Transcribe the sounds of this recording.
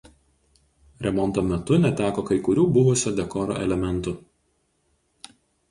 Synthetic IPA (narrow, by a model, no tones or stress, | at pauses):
ɾʲɛmɔnˑt̪oːmʲɛt̪ʊnʲɛt̪ʲæːkoːkɐɪkʊɾʲuːbʊʋʊsʲod̪ʲɛkɔːɾo̰ːʔɛ̰lʲɛmʲɛnˑt̪ʊ